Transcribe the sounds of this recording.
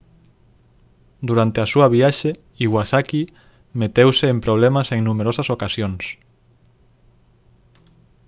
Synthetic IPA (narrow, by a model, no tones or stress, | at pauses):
d̪uɾant̪easuɐβiaʃe | iɣwasaki | met̪ewseːmpɾoβ̞lɛmaseŋnumeɾosasokasjons